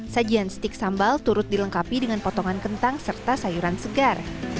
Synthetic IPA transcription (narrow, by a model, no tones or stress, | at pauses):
sad͡ʒianst̪ɪk̚sambalt̪uɾʊt̪̚diləŋkapidəŋanpɔt̪ɔŋankənt̪aŋsərt̪asajuɾansəɡar